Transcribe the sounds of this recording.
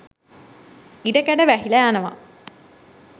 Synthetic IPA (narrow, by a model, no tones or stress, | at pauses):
iɖəkæɖəʋæɦilæanəʋa̰